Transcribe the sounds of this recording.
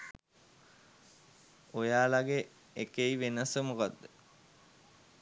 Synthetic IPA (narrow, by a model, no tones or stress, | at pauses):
ojaːlaɡe | ekeiʋenəsəmukad̪ːə